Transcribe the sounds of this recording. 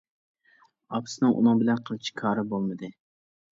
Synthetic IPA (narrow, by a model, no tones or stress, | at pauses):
ɑpsɨnɨŋʔṵnɨŋbɪlɛnqʰəlˠt͡ʃʰɪ̥kʰɑːɾɨbolˠmɨd̪ɪ